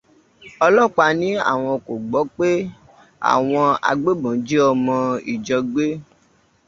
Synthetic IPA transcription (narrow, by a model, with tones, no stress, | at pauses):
ɔ˧lɔ˦˨k͡pa˧nĩ˨˦a̰˦˨w̃ɔ̃˧ko˨ɡ͡bɔ˨˦k͡pe˦ | a̰˨w̃ɔ̃˧a̰˧ɡ͡be˦bɔ̃˨d͡ʒi˦ɔ˧mɔ̃˧ḭ˨d͡ʒɔ˧ɡ͡be˦